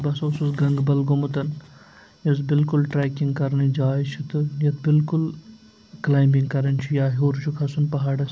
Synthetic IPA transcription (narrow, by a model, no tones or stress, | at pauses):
bɐsoːsusɡɐŋɡbɐlɡomut̪ɐn | jɐs̬bɪlkulʈɾɛːkiŋɡ̚kɐɾnid͡ʒaːit͡ʃʰit̪ɨjɐt̪̚bɪlkul | klaːjmiŋɡkɐɾɐnt͡ʃʰujaːɦoːɾt͡ʃʰukʰɐsunpɐɦaːɽɐs